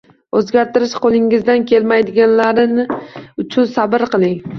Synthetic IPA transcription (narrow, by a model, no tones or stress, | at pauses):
ɵzɡʲaɾt̪ɪɾɪʃqʰolˠɪŋːɪzd̪ankʲʰe̞lmajd̪ɪɡʲanlaɾɪnɪʊt͡ʃʰʊnsabɪɾqʰɨlˠɪŋ